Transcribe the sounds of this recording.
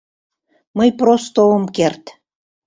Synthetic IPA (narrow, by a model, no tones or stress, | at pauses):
məjprost̪oomkert̪